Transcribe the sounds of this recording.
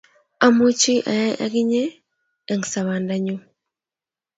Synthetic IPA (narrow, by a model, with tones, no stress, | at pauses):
a˨mu˦t͡ʃi˦ʔa̰˨ja˦ʔa̰˦ɡi˦ɲɛː˦˨ | ŋ˨sa˨βa˨nda˦ɲu˦